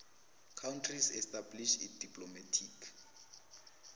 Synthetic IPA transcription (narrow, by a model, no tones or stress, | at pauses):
kʰawntʰrisɛstʼabliʃid̥ipʼlomatʰikʰ